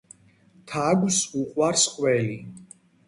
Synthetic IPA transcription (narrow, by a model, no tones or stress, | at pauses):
t̪ʰaɡsuqʼwaɾsqʼwɛli